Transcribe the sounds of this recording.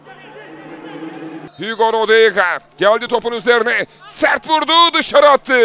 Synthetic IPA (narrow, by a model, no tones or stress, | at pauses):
hyɡoɾod̪eɡaɟælʲd̪it̪ʰo̞punyze̞ɾinɛsæɾt̪vuɾd̪ud̪ɯʃaɾat̪ʰːɯ